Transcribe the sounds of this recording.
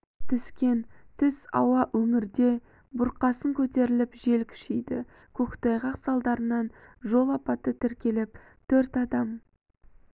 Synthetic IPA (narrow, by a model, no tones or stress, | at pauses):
t̪ʰʏskʲe̞nt̪ʰʏsɑ̰wɑʔɵŋɪɾd̪e̞ | bʊɾqɑsəŋkʲʰɵt̪e̞ɾɪlɪpʒe̞lkʲʰʏ̥ʃejd̪ɪ | kʲʰɵkt̪ɑjʁɑqsɑlˠd̪ɑɾənɑnʒo̞lˠɑpɑt̪ːət̪ʰɪɾkʲe̞lɪp̚ | t̪ʰɵɾt̪ɑd̪ɑm